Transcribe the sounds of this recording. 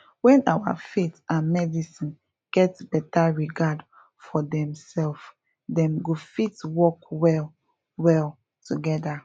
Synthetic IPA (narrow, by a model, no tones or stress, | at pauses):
wɛ̃nawa̰fetãnmɛdisĩn | ɡ̥ɛtb̥ɛtaɹiɡad | fɔdɛ̃msɛlf | dɛ̃mɡofitwɔkwɛl | wɛl | tʰuɡɛda